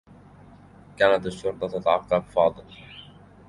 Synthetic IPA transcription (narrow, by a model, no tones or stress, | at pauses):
kaːnat̪ɪʃːʊɾt̪ˤɑt̪at̪aʕɑqːɑbfɑːd̪ˤɨl